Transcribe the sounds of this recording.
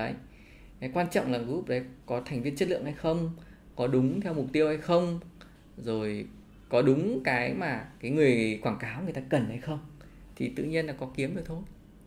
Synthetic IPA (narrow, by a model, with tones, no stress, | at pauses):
ə˨˦j | kwaː˧nt͡ɕɔ̰˧˨wŋ͡mlaː˨˩ŋkɨ˨˦hʊ˨˩k͡p̚ɗə˨˦jkɔ˨˦t̪ʰa˨˩jŋ̟vi˧ənt͡ɕə˦˥t̚lɨ̰˧˨əŋha˧jxə˧wŋ͡m | kɔ˨˦ɗʊ˨˦ŋ͡mt̪ʰɛ˧wmʊ˨˩k͡p̚t̪i˧əwha˧jxə˧wŋ͡m | zo˨˩j | kɔ˨˦ɗʊ˨˦ŋ͡mkaː˨˦jmaː˨˩kaː˨˦jŋɨ˨˩əjkwaː˧˩ŋkaː˨˦wŋɨ˨˩əjt̪aː˧kə˨˩nhə˧jxə˧wŋ͡m | t̪ʰi˨˩t̪ɨ̰˧˨ɲi˧ənlaː˨˩kɔ˨˦ki˨˦əmɗə˨˩t̪ʰo˧j